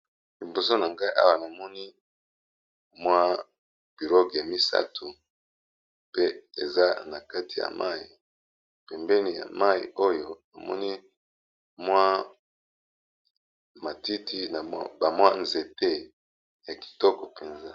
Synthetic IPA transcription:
li˨mbo˨so˦na˨ŋɡa˦i˦ʔa̰˦wa˨na˨mɔ˦ni˦ | mwa˦ | b̥i˨lo˦ɡa˨mi˦sa̰˦tʰu˨ | pe˦e˨za˦na˨ka˦ti˨ja̰˨ma̰˦i˨ | pɛ˨mbɛ˦ni˨ja̰˨ma˦ḭ˨o˦jo˨na˨mɔ̰˦ni˦ | mwa˦ | ma˨ti˦ti˦na˨˦ba˨mwa˦nze˨te˦ | ja˨ki̥˨tɔ˦kɔ˨pe˨nza˦

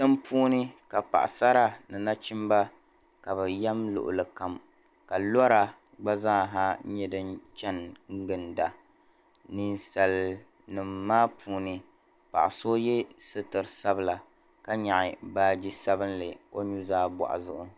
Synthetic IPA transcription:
tɨ˦mpʰuː˦nɨ˦ka˨pa̰˨ʔa̰˨sa˦ɾa˦˨nɨ˨na˦t͡ʃi˦mba˦ | ka˨βɨ˨jɛ˦mlʊ̰˨ʔʊ̰˨lɨ˨ka˨m | ka˨lɔ˦ɾa˦ | ɡ͡ba˦za˦˨ɦa˦ɲɛ˦dɨ˦nt͡ʃɛ˦nŋ˦ɡɨ˨nda˨ | ni˨nsa˨l | nɨ˨mːaː˦pʰuː˦nɨ˦ | pa̰˨ʔa˨so˦jɛ˦sɨ˦tɨ˨ɾsa˦bɨ˦˨la˨ | ka˦ɲa˨ʔɪ˨baː˦d͡ʒi˦sa˦bɨ˦nlɨ˨o˦ɲu˦zaː˦ba̰˨ʔa̰˨zʊ˦ʔʊ˦

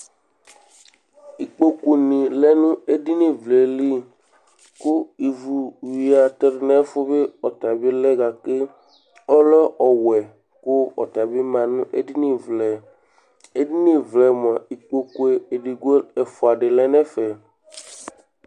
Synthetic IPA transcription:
i˨k͡po˦ku˨nĩ˨lɛ˦nũ˦e˦di˦nĩ˦vle˨li˦ | ku˦i˨vu˨wi˨a˨t̪e˦ɾe˨nɛ̃˦fo˦be˦ɔ˨t̪a˨be˦lɛ˦ɡa˨ke˦ | ɔ˦lɔ˦ʔɔ˨wɛ˨ | ku˦ɔ̰˨t̪a˨be˦mã˨nũ˦ʔḛ˦di˦nĩ˦vlɛ˨ | e˦di˦nĩ˦vlɛ˨m˨a˨i˨k͡po˦ku˦e˨e˨ɖi˨ɡo˦e˨fo˨a˨ɖe˨lɛ˦nɛ̃˦fɛ˨

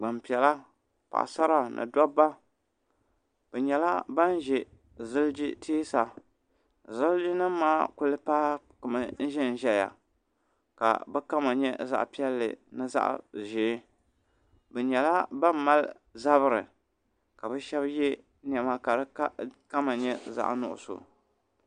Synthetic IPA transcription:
ɡ͡ba˨mpi˨ɛ˨la˦ | pa̰˨ʔsa˦ɾa˦nʔɨ̰˨dɔ˦ba˦ | b̥ɛ˨ɲɛ˨la˦ba˦n˦ʒɛ˨ | zɨ˦ld͡ʒi˦tʰeː˦sa˨ | zɨ˦ld͡ʒi˦nɨ˦m˦maː˦kʊ˦lɨ˦paː˦ | kʊ˨mɨ˨n̩˦ʒɛ˦n˨ʒɛ˨la̰˨ | ka̰˨bɛ˦ka˦ma˨ɲɛ˦za̰˦ʔpi˦ɛ˦lːɨ̰˨nɨ˦za̰˦ʔʒeː˨˦ | bɛ˨ɲɛ˨la˦ba˦m˦ma˦l | za˦βɨ˦ɾɨ˨ | ka˨bɛ˦ʃɛ˦bjɛ˦ | n˦˨ɛ˨ma˦ka˨ɾɨ˦ka˦ma˨ɲɛ˦za̰˦ʔnʊ̰˦˨ʔʊ̰˨so̰˨

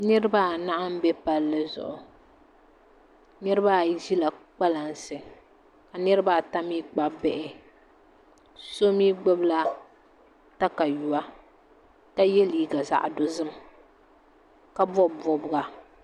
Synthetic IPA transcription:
nɨ˦ɾɨ˦ba˦˨na˦ʔa˦m̩˦bɛ˦pa˦lːɨ˦zʊ̰˨ʔʊ˨ | nɨ˦ɾɨ˦ba˦˨ʒi˦la˨k͡pa˦la˨n˦sɨ˨ | ka˨nɨ˦ɾɨ˦ba˦˨ta˦miː˦k͡pa˦bɛ˦˨ʔɪ˨ | so˦miː˦ɡ͡bɛ˦bla˦ | ta˦ka˨ju˨wa˦ | ka˦jɛ˦liː˨ɡa˨za̰˨ʔdo˦zɨ˦m | ka˦bɔ˦˨bɔ˦bʊ˦ɡa˨

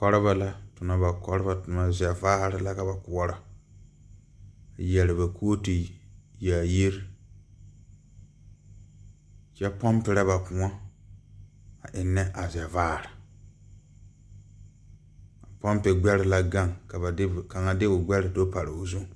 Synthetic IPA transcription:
kɔ˦ɾɪ˦ba˨la˦tʊ˨na˨ba˨kɔ˦ɾɪ˦ba˨tʊ˨na˨zɛ˨vaː˦ɾɪ˨la˦ka˨ba˨kʊ˨ɔ˦ɾa˨ | jɛ˨lɪ˨ba˨kʰoː˦ti˨jaː˨ji˦ɾ | t͡ʃɛ˦pɔ˦mpɪ˨ɾa˦ba˨pʊ˨˦a˦ | a˨ʔɪ˨nːɛ˦ʔa˨zɛ˨vaː˦˨ɾɪ˨ | a˨pɔ˦mpe˨ɡ͡bɛ˦ɾɪ˨la˦ɡa˦ŋka˨a˨˦˨ka˨ŋa˨dɪ˦ʊ˨ɡ͡bɛ˦ɾɪ˨do˦pa˨ɾɪ˨ʊ˨zu˦ŋ˨

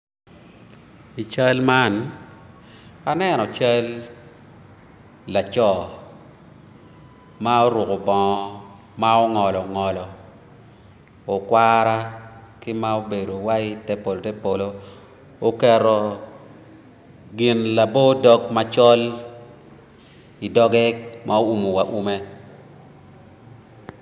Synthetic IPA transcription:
i˨t͡ʃa˦lma˦n | a˦nɛ˦˨nɔ˨t͡ʃa˦l | a˨t͡ʃɔ˦˨ | ma˦o˦ɾwʊ˨ko˨bɔ˨ɔ˦ | ma˦o˦ŋɔ˨lɔ˨ŋɔ˨lɔ˨ | o˨kwaɾa˦kɪ˦ma˦o˦be˨do˨wa˦i˦tɛ˦po˨lo˨tɛ˦po˨lo˦ | o˦kɛ˦ɾɔ˨ | ɡɪ˨nla˨bo˦dɔ˦k̚ma˦t͡ʃɔ˦l | i˨dɔ˦ɡɛ˦mʔa˦o˦u˨mo˨wa˨ʔu˦me˦

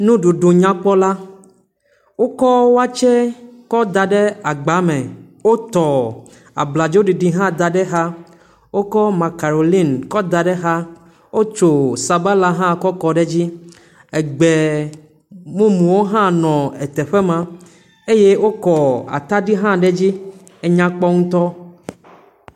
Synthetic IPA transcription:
nũ˦ɖu˨ɖo˨ɲã˦k͡pɔ˦la˦ | wo˦kɔ˦wo˦a˦t͡ʃɛ˦kɔ˦d̪a˨ɖɛ˦a˨ɡ͡ba˨˦mɛ̃˨ | wo˦t̪ɔ˨ | a̰˨bla˨d͡ʒo˦ɖi˨ɖi˨ɦã˦d̪a˨ɖɛ˦ɦa˦ | wo˦kɔ˦ma˨ka˨ɾo˨li˦nkɔ˦d̪a˨ɖɛ˦ɦa˦ | wo˦t͡ʃo˨sa˨ba˦la˦ɦã˦kɔ˦kɔ˨ɖɛ˦d͡ʑi˦ | ɛ˨ɡ͡be˨ | mũ˦mũ˨wo˦ɦã˦nɔ̃˨ɛ˨t̪ɛ˨ɸɛ˦mã˨ | e˦je˦wo˦kɔ˨a̰˨t̪a˦ɖi˦ɦã˦ɖɛ˦d͡ʑi˦ | e˦ɲã˦k͡pɔ˦ŋũ˦t̪ɔ˦

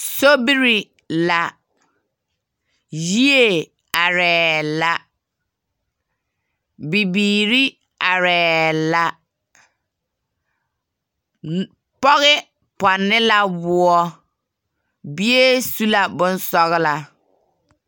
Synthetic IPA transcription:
so˦bi˦ɾi˨ | la˨ | ji˦e˦˨ | a˨ɾɛː˨la˦ | bi˨biː˨ɾi˦ | a˨ɾɛː˨la˦ | pɔ˦ɣɪ˦ | pɔ˨nːɪ˦la˦bʊ˦ɔ˦ | bɪ˦e˦su˦la˨bʊ˦n˦sɔ˦ɣɪ˦la˨

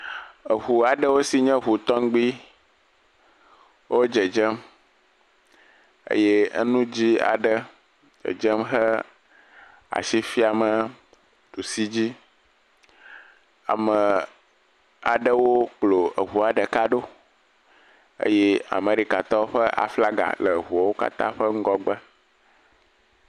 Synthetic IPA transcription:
ə˨ɦu˨a˨ɖə˦wo˦si˨ɲɛ̃˦ɦu˨t̪ɔ˦ŋ˦ɡ͡bi˦ | wʔo˦d͡ʒə˨d͡ʒə˦m | ə̰˦je˦ə̰˦nũ˦d͡ʑi˦a̰˨ɖə˦ | d͡ʒə̰˨d͡ʒə˦mɦə˦ | a̰˨ʃi˦fi˦a˨mə˨ | t̪u˨si˦d͡ʑi˦ | a̰˨mə˨ | a˨ɖə˦wo˦k͡plo˨ə˨ɦu˨a˨ɖə˨ka˦ɖo˦ | ə̰˦jɛ˦a̰˨me˨ɾi˦ka˨t̪ɔ˦ɸə˦ʔa̰˨fla˦ɡa̰˨lə˨ɦu˨a˨wo˦ka̰˦t̪ã̰˦ɸə˦ŋ̩˦ɡɔ˦ɡ͡bə˦

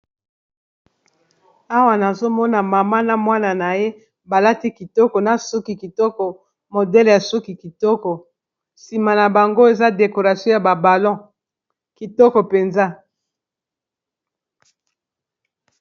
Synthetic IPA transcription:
a˦wa˨na˨zo˦mɔ˦na˨ma˨ma˦na˨mwa˦na˨na˨je˦ | ba˨la˦ti˦ki˨tɔ˦kɔ˨na˨su˦ki˨ki˨tɔ˦kɔ˨ | mo˨dɛ˦lja˨su˦ki˨ki˨tɔ˦kɔ˨ | si˨ma˨na˨ba˨ŋɡo˦e˨za˦de˨ko˨ʁa˨sjɔ̃˦ja˨ba˨ba˨lɔ̃˦ | ki˨tɔ˦kɔ˨pe˨nza˦

